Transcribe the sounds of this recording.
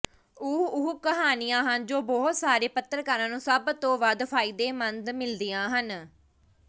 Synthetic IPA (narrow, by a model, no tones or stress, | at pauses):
ʊːʊkəɦaːnijãːɦənd͡ʒoːbɔːt̪saːɾeːpət̪ːəɾkəɾãːnũːsəbt̪õːʋəd̪pʰaːid̪eːmənd̪mɪld̪iːãːɦən